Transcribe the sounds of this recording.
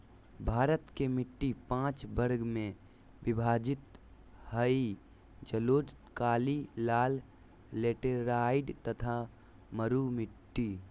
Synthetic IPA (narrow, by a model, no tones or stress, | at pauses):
bʱaːɾət̪kemɪʈːipãːt͡ʃbəɾɡmẽ | bɪbʱaːd͡ʒɪt̪ | həi | d͡ʒəloːd͡ʒ̪ | kaːlilaːlː | eːʈəɾaːɪɖt̪ət̪ʰa | məɾumɪʈːi